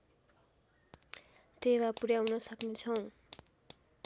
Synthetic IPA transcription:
tewapuɾjawnʌsʌknet͡sʰʌw̃

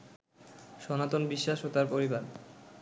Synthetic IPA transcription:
ʃɔnat̪onbiʃːaʃot̪aɾpoɾibaɾ

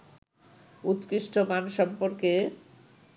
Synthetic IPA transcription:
ut̪kɾiʃʈʰoɡanʃɔmpoɾke

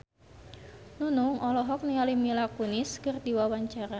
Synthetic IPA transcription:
nunʊŋɔlɔɦɔk̚niŋalimilakunɪskɨrd̪iwawaɲt͡ʃaɾa

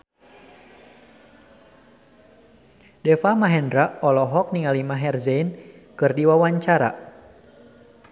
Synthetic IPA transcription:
dɛfamaɦɛndɾaʔɔlɔɦɔk̚niŋalimaɦɛrzɛinkɨrdiwawaɲt͡ʃaɾa̰

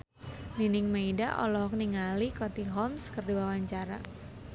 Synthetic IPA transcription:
ninɪŋmeida̰ʔɔ̰lɔɦɔk̚niŋalikɔt̪iɦɔmskərdiwawaɲt͡ʃaɾa

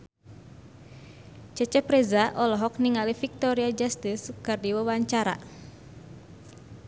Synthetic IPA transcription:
t͡ʃət͡ʃɛpɾɛzaʔɔlɔɦɔk̚niŋalifik̚t̪ɔɾiad͡ʒast̪iskɨrdiwawaɲt͡ʃaɾa̰

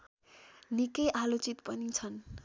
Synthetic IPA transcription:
nikʌjʔalot͡sit̪pʌnit͡sʰʌn

